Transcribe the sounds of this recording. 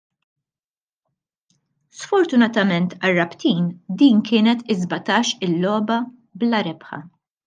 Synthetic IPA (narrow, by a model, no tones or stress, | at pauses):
sfɔɾt̪ʊnɐt̪ɐmɛnt̪ɐrːɐpt̪iːnd̪iːnkɪːnɛt̪ɪzbɐt̪ɐːʃɪlːɔːbɐ | blɐɾɛpħɐ̰